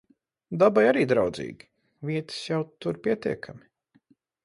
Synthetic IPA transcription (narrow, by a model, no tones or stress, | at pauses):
d̪abajaɾiːd̪ɾawd̪zḭːɡʲi̥ | viɛt̪i̥sjawt̪uɾpʲiɛt̪iɛkʰami